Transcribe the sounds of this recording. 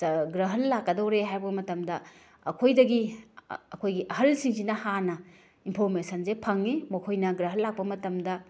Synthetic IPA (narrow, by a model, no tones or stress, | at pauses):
ɡɾɐɦɐlːakːɐdowɾeɦajbɐmɐtɐmdɐ | ɐ̰kʰojdɐɡi | ɐkʰojɡiʔɐɦɐlsiŋsinɐhanɐ | inpʰoɾmesɐnzepʰɐŋːimɐkʰojnɐɡɾɐɦɐlːak̚pɐmɐtɐmdɐ